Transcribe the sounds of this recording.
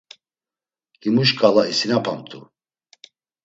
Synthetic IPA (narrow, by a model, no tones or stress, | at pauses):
limuʃkʼalaisinapʰamt̪ʰʼu